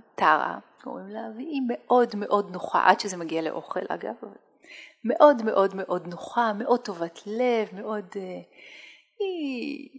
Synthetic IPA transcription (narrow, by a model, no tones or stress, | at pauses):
taʁa̰ | ko̰ʁimlavime̞ʔo̞dme̞ʔo̞dnoχa̰ʔadʃezemaɡialeʔo̞̰χḛlʔa̰ɡa̰vava | me̞ʔo̞dme̞ʔo̞dme̞ʔo̞dnoχame̞ʔo̞d̚to̞vatʰle̞vme̞ʔo̞de | i